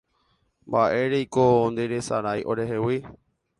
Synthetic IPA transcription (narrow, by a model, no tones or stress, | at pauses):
mbaʔe̞ɾejkond̪eɾesaɾajʔo̞̰ɾe̞ɦewi